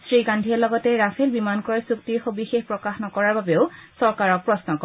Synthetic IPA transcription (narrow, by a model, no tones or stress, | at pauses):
sɹikandʱiɛlɔɡɔtɛɹafʰelbimankɔɹasuk̚tiɹxobixexpɹɔkaxnɔkɔɹaɹbabeʊsɔɹkaɹɔk̚pɹɔsnɔkɔ